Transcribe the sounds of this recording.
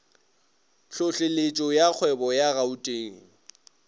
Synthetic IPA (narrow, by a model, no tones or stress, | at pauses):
ɬʊɬɪlet͡ʃʼɔjak͡xʰwɛbɔjaɣautʼeːŋ̩